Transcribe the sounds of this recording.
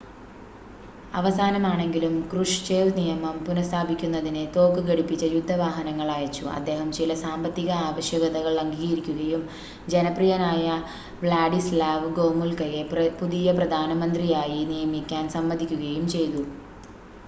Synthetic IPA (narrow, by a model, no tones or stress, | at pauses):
ɐʋɐsaːnɐmaːɳe̞ŋɡilumkruʂt͡ɕe̞ːʋnijɐmɐmpunɐst̪ʰaːbʱikʲːunːɐðinet̪o̞ːkːɨɣɐɽipːit͡ɕːɐjud̪ʱːɐʋaːɦɐnɐŋːɐɭaːjɐt͡ɕːuʔɐ̰d̪ːe̞ːɦɐmt͡ɕilɐsaːmbɐt̪ːiɣɐaːʋɐɕjɐɣɐðɐɣɐɭːɐŋɡiɣiɾikʲːuɣɐjum | d͡ʑe̞nɐprijɐnaːjɐ | ʋɭaːɖislaːʋɡo̞ːmulkɐjepuðijɐprɐd̪ʱaːnɐmɐnd̪rijaːjinijɐmikʲːaːnsɐmːɐd̪ʱikʲːuɣɐjumt͡ɕe̞jt̪u